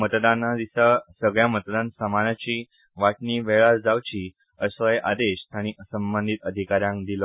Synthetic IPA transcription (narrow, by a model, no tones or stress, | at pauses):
mət̪d̪anad̪isasəɡɭjamət̪d̪ansəmanat͡ɕiː | ʋaʈniʋɛɭat͡sd͡zawt͡ɕiː | əsʋəjʔad̪eɕt̪aɽ̃iʔəsəmbənd̪ʱit̪əd̪ʱikaɾjãŋkd̪ilə